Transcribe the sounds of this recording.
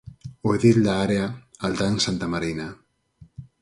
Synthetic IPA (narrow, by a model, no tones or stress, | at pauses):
oeðild̪aːɾeaalt̪ansant̪amaɾijna